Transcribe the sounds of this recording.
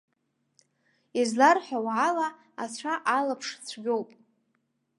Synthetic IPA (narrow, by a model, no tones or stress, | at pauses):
izlarħawʕala | at͡ɕʷʰaʔalapʰʂt͡sʷʰɡʲo̞wpʼ